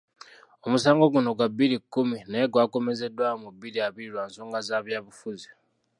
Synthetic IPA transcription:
omusaːŋɡo̞ɡuno̞ɡwabːiɾikːuminaeɡwaːko̞me̞ze̞dwamubːiɾiaβiɾiɾwaːnso̞ːŋɡazaːβjaːβufuzi

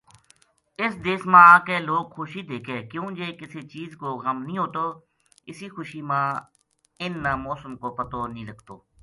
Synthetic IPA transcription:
ɪsd̪eːsmãːkeːloːɡxʊːʃiːd̪eːkʰeːkjũːd͡ʒeːkɪseːt͡ʃiːzkoːɣəmnĩːɦoːʈ̪oː | ɪsiːxʊʃiːmãː | ɪnːaːmɔːsəmkoːpət̪oːnĩːləɡt̪oː

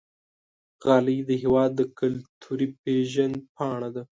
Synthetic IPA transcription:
ɣɑːlid̪əɦewɑːd̪ːəkalt̪ʰuɾipeʒanpʰɑːɳ̃ad̪a

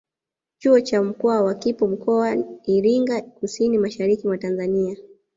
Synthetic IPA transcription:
t͡ʃuɔt͡ʃam̩kɔawakipɔm̩kɔaiɾiŋɡakusinimaʃaɾikimwatanzania

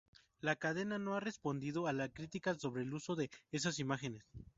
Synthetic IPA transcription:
lakað̞e̞nano̞are̞spo̞nd̪ið̞o̞alaskɾit̪ikaso̞βɾe̞ːluso̞ðe̞es̬asimaxe̞ne̞s

